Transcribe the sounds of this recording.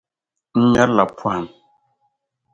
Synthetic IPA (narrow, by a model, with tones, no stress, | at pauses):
n̩˦ɲa˦la˨pʰwa˦˨n